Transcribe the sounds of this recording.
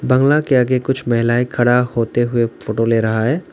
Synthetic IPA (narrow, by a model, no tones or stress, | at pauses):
bɐ̃ŋɡlakeɐɡekʊt͡ʃʰmɐɦɪlaːikʰɐɽahoːt̪eɦʊefoːʈoleːɾɐɦaɦɛː